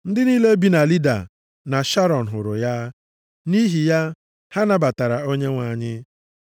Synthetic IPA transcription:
n̩˦dɪ˦niː˦le˦bi˦na˨li˦da̰˨ | na˨ʃa˦ɾɔ˨n̩˨ɦʊ˨ɾʊ˨ja˦ | ni˦ɦi˨ja˦ | ha˦na˦ba˨ta˨ɾa˨o˦ɲe˦ŋʷa˨ɲɪ˦

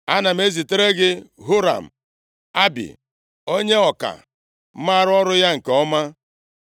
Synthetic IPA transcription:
a˦na˨m̩˨˦e˦zi˨te˦ɾe˦ɡɪ˦ɦu˦ɾa̰˨m̩˨ | a˦bḭ˨ | o˦ɲe˦ɔ˨ka̰˨ | m̩˦ma˦ɾʊ˦ɔ˦ɾʊ˦ja˦ŋ̩˨keɔ˦ma˦

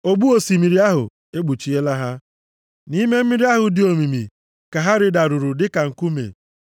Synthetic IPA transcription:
o˨ɡ͡bu˦o˨si˨mi˨ɾi˦a˦ɦʊ̰˨ | e˦ɡ͡bu˨t͡ʃi˨˦e˦la˦ɦa˦ | ni˦me˦m̩˦mi˦ɾi˦a˦ɦʊ˨dɪ˨o˨mi˨mi˨ | ka˨ɦa˦ɾɪ˨da˨ɾʊ˨ɾʊ˨dɪ˦ka˨ŋ̩˨ku˦mḛ˨

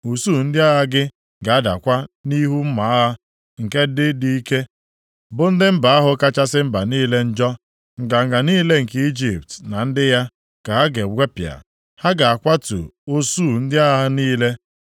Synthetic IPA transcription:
u˨suː˦˨n̩˦dɪ˦a˦ɦa˦ɡɪ˦ | ɡa˨a˦da̰˨kʷa˦ni˦ɦu˦m̩˦ma˨a˦ɦa˦ | ŋ̩˨ke˦dɪ˦di˦i˦ke˦ | bʊ˦n̩˦dɪ˦m̩˦ba˨a˦ɦʊ˨ka˦t͡ʃa˦sɪ˦m̩˦ba˨niː˦le˦n̩˦d͡ʒɔ˦ | ŋ̩˨ɡa˨ŋ̩˨ɡa˨niː˦le˦ŋ̩˨ke˦i˦d͡ʒi˨p̚tna˨n̩˦dɪ˦ja˦ | ka˨ɦa˦ɡe˨ɡʷe˦pɪ˨a̰˨ | ha˦ɡa˨a˨kʷa˦tṵ˨o˦suː˦˨n̩˦dɪ˦a˦a˦a˦niː˦le˦

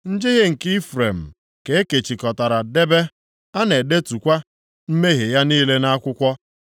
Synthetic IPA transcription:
n̩˦d͡ʒɪ˦ɣɪ˦ŋ̩˨ki˦fɾe˨m̩˨ | ke˨e˦ke˨t͡ʃi˨kɔ˨ta˨ɾa˨de˦be˦ | a˦ne˨de˦tu˨kʷa˦ | m̩˦me˦ɦe˨ja˦niː˦le˦na˦kʷʊ˦kʷɔ˦

